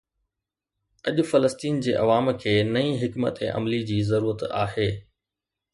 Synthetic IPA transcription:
ɐʄʊ̆fɐləst̪iːnd͡ʑeːʔɐʋaːmkʰeːnɐĩːɦɪkmə̰t̪eʔɐ̰mlid͡ʑiːzɐɾuːɾət̪a̰ːɦeː

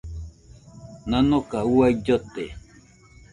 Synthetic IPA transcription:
nãnokauaid͡ʒot̪e

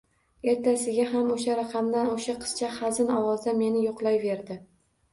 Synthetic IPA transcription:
e̞ɾt̪ʰasɪɡʲaɦamoʃaɾaqʰɑmd̪anoʃaqʰɨ̥st͡ʃʰaχazɪnɒwɒzd̪ame̞nɪjoqlˠajve̞ɾd̪ɪ

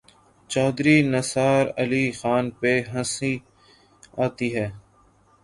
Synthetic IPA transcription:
t͡ʃaːd̪ɾinəsaːɾəliːxaːnpeɦə̃si | aːt̪iɦɛː

